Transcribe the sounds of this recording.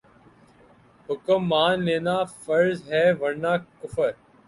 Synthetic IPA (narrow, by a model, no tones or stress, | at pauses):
hʊkəmːaːnleːnaːfəɾzɦɛːʋəɽnaːkʊfəɾ